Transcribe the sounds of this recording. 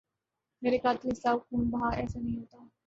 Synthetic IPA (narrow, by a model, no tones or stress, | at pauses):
meɾikat̪lisawkuːnbɦaʔɛ̰sənəjɦot̪a